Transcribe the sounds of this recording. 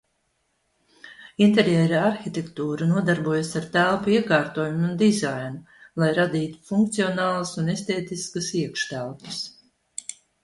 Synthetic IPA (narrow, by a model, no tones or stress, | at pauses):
int̪eɾjɛːɾaaɾxit̪ʲekt̪uːɾunuɔd̪aɾbuɔjasaɾt̪ælˠpuiɛkaːɾt̪oːjumund̪izajnu | lˠajɾad̪iːt̪u̥fuŋk̚t̪siɔnaːlˠɐsunest̪eːt̪iskɐsiɛkʃt̪ælˠpɨ̥s